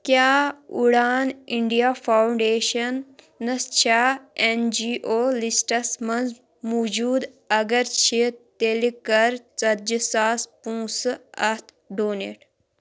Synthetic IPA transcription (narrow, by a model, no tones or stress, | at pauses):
kjaːuɽaːniɳɖijaːfʰawɳɖeːʃɐnː | ɐst͡ʃʰaːend͡ʒiːʔoːlisʈɐsmɐnz | muːd͡ʒuːd̪ | ɐɡɐɾt͡ʃʰit̪elikɐɾt͡sɐd͡ʒisaːspũːsɨɐt̪ʰ | ɖoːnḛʈ